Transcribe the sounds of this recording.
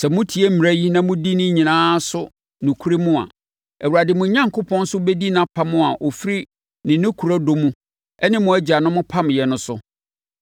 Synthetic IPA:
sɛ˨mʊ̃˦tʰi˨e˦m̩˦m˨ɾæ˦ji˦nã˨mʊ̃˦di˦nɪ̃˦ɲĩ˨nãː˦sʊ˦ | nũ˨kʰu˦ɾe˦mũ˦a̰˨ | æ˨wu˨ɾa˨dɪ˨mʊ̃˨˦ɲã˦ŋkʰʊ˦pʰɔ̃˦n˦sʊ˦bɛ˦di˦nã˦pʰa˦mʊ̃˦a˨ʔo˨fi˦ɾi˦ | nɪ̃˨nɪ̃˦kʰu˨ɾa˦do˨mũ˦ | ɛ˦nɪ̃˦mʊ̃˨˦æ˦d͡ʑa˨nʊ̃˦mʊ̃˦pʰa˦m˨jɛ˨nʊ̃˦sʊ˦

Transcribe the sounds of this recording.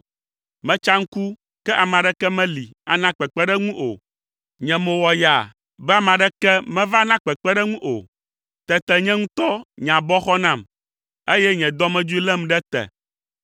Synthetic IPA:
mɛ̃˦t͡ʃa˦ŋ̩˦ku˦ | kɛ˦ʔa˨mã˨ɖɛ˦kɛ˦mɛ̃˦li˨a˨nã˦k͡pɛ˨k͡pɛ˦ɖɛ˦ŋũ˦ʔo̰˨ | ɲɛ̃˨mõ˨wɔ˨ja˨ | bɛ˦a˨mã˨ɖɛ˦kɛ˦mɛ̃˦va˦nã˦k͡pɛ˨k͡pɛ˦ɖɛ˦ŋũ˦ʔo̰˨ | t̪ɛ˨t̪ɛ˨ɲɛ̃˦ŋũ˦t̪ɔ˦ɲã˨bɔ˦xɔ˦nã˦˨m | e˦jɛ˦ɲɛ̃˨d̪ɔ˦mɛ̃˦d͡ʒu˦i˦lɛ˦m˨ɖɛ˦t̪ɛ̰˨

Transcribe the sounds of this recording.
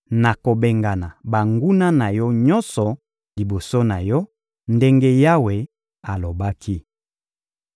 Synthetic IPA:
na˨ko˨be˨ŋɡa˨na˨ba˨ŋɡu˦na˦na˨jɔ˦ɲɔ˦nsɔ˨ | li˨bo˨so˦na˨jɔ˦ | nde˦ŋɡe˦ja˦we˨ | a˨lo˨ba˦kʰi˦

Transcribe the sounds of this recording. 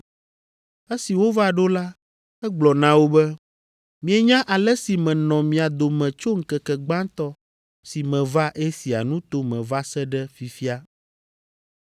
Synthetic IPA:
e˦si˨wo˦va˦ɖo˦la˦ | ɛ˦ɡ͡blɔ˨nã˦wo˦bɛ˦ | mĩ˦ɛ˦ɲã˦ʔa˨lɛ˦si˨mɛ̃˨nɔ̃˨mĩ˨a˨d̪o˨mɛ̃˨t͡ʃo˦ŋ̩˦kɛ˨kɛ˨ɡ͡bã˦t̪ɔ˦ | si˨mɛ̃˨va˦ʔɛ˦si˨a̰˨nũ˦t̪o˦mɛ̃˨va˦sɛ˦ɖɛ˦fi˨fi˦a˦

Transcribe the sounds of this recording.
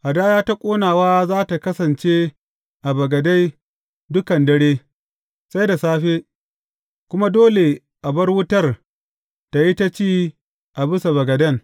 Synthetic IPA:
ʔa˨daː˦jaː˦ta˦kʷʼoː˦naː˨waː˦zaː˦ta˨kɐ˦sɐ˨nt͡ʃe˦ | ʔa˨bɐ˨ɡɐ˨da˦j | dʊ˦kɐ˨ndɐ˦ɽeː˦ | sa˦jda˨saː˦ɸeː˦ | kʷʊ˦ma˦doː˦le˨ | ʔa˨bɐ˦rwʊ˦tɐ˦˨r | ta˨ji˦ta˦t͡ʃiː˦ | ʔa˨bɪ˦sa˨bɐ˨ɡɐ˨dɐ˦ŋ

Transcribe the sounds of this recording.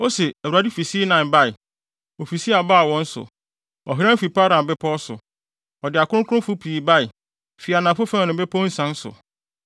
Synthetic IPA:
ɔ˦sɛ˨æ˨wu˨a˨di˦fi˨si˦nã˨ba˦ɪ˨ | o˨fi˨si˦a˨ba˦˨wɔ̃˦n̩˦sʊ̰˨ | ɔ̰˨ɦi˦ɾã˦fi˨pa˦ɾã˨m̩˨bɛ˦pʰɔ˦ɔ˦sʊ̰˨ | ɔ˨dɪ˨a˨kʰʊ˦ʊ̃˦kʰʊ˦ʊ̃˦fʊ˦pʰi˨ba˦ɪ˨ | fi˨a˨nã˨fʊ˦fã˦˨nɪ̃˨˦bɛ˦pʰɔ˦n̩˦sã˦n̩˦sʊ̰˨

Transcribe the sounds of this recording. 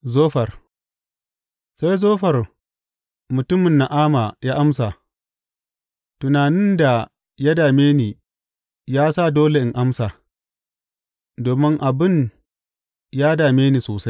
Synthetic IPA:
zoː˦ɸɐ˨r | sa˦jzoː˦ɸɐ˨r | mʊ˨tʊ˦mɪ˨nːa˨ʔaː˦ma˨jaː˦ʔa˦msa˨ | tʊ˨naː˨nɪ˦nda˨ | ja˦daː˨meː˦niː˨ | jaː˦sa˦˨doː˦le˨ʔɪ˨ŋʔa˦msaː˨ | doː˨mɪ˦ŋʔa˨bɪ˦n | jaː˦daː˨meː˦niː˨soː˨sa˦j

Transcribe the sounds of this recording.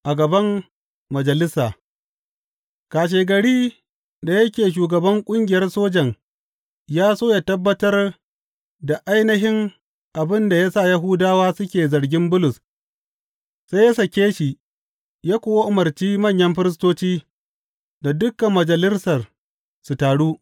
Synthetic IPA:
ʔa˨ɡɐ˨bɐ˦mː | ɐ˨d͡ʒɐ˨lɪ˦saː˨ | kaː˨ʃ̬eː˨ɡɐ˨ɽiː˦ | da˨jɐ˦kʲeː˨ʃ̬uː˨ɡɐ˨bɐ˦ŋkʷʼʊ˦ŋɡʲɪ˨jɐ˦rsoː˦d͡ʒɐ˨ŋ | jaː˦soː˦jaː˨tɐ˦bːɐ˦tɐ˦r | da˨ʔa˦jnɐ˦ɦɪ˦ŋ | ʔa˨bɪ˦nda˨jaː˦sa˦˨ja˦ɦʊ˦daː˦waː˦sʊ˦kʲeː˨zɐ˨ɽɡʲɪ˦mbʊ˦lʊ˨s | sa˦ja˦sɐ˨kʲeː˦ʃi˨ | jaː˦kʷoː˦˨wa˦ʔʊ˨mɐ˨rt͡ʃiː˦mɐ˦˨ɲjɐ˦mɸɪ˦ɾɪ˦s̬toː˦t͡ʃiː˦ | da˨dʊ˦kːɐ˨mːɐ˨d͡ʒɐ˨lɪ˦sɐ˨r | su˨taː˨ɽuː˦

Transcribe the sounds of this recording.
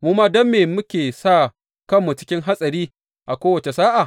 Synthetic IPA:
mu˦maː˦dɐ˦mːeː˨mʊ˦kʲeː˨sa˦˨ | kɐ˦mːu˨t͡ʃɪ̥˦kʲɪ˦ŋɦa˦sʼɐ˨ɾiː˦ | ʔa˨kʷoː˦wɐ˨t͡ʃe˨saː˦ʔa˨

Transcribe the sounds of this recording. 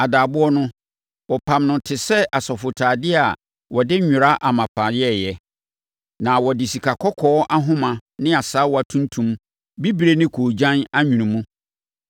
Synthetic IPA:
a˨daː˨bʊ˦ɔ˦nʊ̃˦ | wɔ˨pʰã˨mnʊ̃˨tʰɪ˨sɛ˦ʔa˨sɔ˨fʊ˨tʰaː˨dɪ˦a˨ | wɔ˨dɪ˦ɲᶣʊ̃˨ɾa˦ʔa˨mã˨pʰã˨jɛ˦jɛ˨ | nã˨wɔ˨dɪ˨si˨kʰa˨kʰɔ˦kʰɔ˦ɔ˦ʔa˦ɦʊ̃˦mã˨nɪ̃˦a˨sa˦wɔ˨a˨tʰũ˦n˦tʰũ˨m | bi˦bɾe˦nɪ̃˦kʰoː˨d͡ʑã˦na˦ɲᶣũ˨nũ˨mũ˦

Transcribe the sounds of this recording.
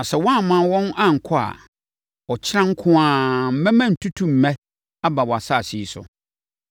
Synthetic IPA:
a˨sɛ˨wɔ̃˦a˦˨mã˦˨wɔ̃˦nã˦ŋ̩˨kʰɔ˦a̰˨ | ɔ˨t͡ɕʰɪ˦ɾã˦ŋ̩˦kʰʊ̃˦ãː˨m̩˦mɛ̃˦mã˦n̩˨tʰu˦tʰũ˦m̩˨mɛ̃˦ | a˦ba˨wɔ˨a˨sa˦˨si˦sʊ̰˨

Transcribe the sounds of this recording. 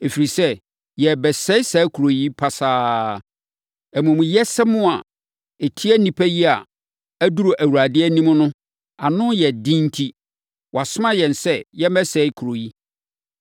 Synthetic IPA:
e˨fi˨ɾi˨sɛ˦ | jɛ˨bɛ˨sɛ˦ɪ˦sɛ˨˦kʰu˨ɾo˨ji˦pʰa˦saː˦ | æ˨mũ˨mũ˨jɛ˦sɛ˦mʊ̃˦a˨ | e˨tʰi˦æ˦nĩ˨pʰæ˦ji˦a˨ | æ˦du˦ɾo˨ʔæ˨wu˨ɾa˨dɪ˦ɛ˦nĩ˦m̃˦nʊ̃˦ | a˨nʊ̃˦jɛ˨dĩ˦n̩˦tʰi˦ | wʔɔ˨a˨sʊ˦mã˦jɛ̃˨n˨sɛ˦jɛ˦mɛ˦sɛ˦ɪ˦kʰu˨ɾo˨ji˦

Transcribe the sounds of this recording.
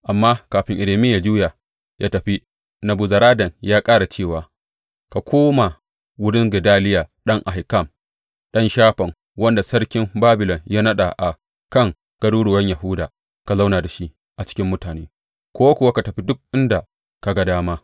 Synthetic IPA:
ʔa˨mːaː˦kaː˨ɸɪ˦ŋʔɪ˨ɾeː˨mɪ˦ja˨d͡ʒu˦jaː˨ | jʔa̰ː˦tɐ˨ɸi˦ | nɐ˨bu˨zɐ˨ɾaː˦dɐ˨ŋjaː˦kʼaː˦ɽa˨t͡ʃeː˦˨waː˨ | ka˨kʷʰoː˦ma˨ | wʊ˦ɽɪ˦ŋɡɪ˨daː˦lɪ˦jaː˨ɗɐ˦ŋʔa˨hɪ˨kɐ˦˨m | ɗɐ˦nʃaː˦ɸɐ˨ŋ | wɐ˦nda˨sɐ˦ɽkʲɪ˦mbaː˦bɪ˨lɔ˨ŋja˦nɐ˦ɗa˨ʔa˨ | kɐ˦˨ŋ | ɡ̥ɐ˦duː˦ɽoː˨wɐ˦ɲja˨ɦʊ˦daː˨ | ka˨za˦wnaː˨da˨ʃi˦ | ʔa˨t͡ʃɪ̥˦kʲɪ˦mːʊ˦taː˨neː˦ | kʷoː˦wa˦kʷʊ˨wa˦ka˨tɐ˨ɸi˦dʊ˦k̚ʔɪ˦nda˨ | ka˨ɡa˦daː˦maː˦

